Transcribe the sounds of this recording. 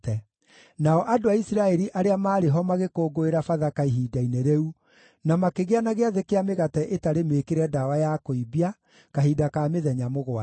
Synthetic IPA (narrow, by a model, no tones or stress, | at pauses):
ɛ | naɔʔadoaisiɾaɛɾiʔaɾeamaːɾeɦɔmaɣekoːɡoeɾafaðakaiɦiːdaineɾɛu | namakeɣeanaɣeaðekeameɣatɛʔetaɾemekeɾɛdawajakoibia | kaɦidakameðɛɲamoɣwa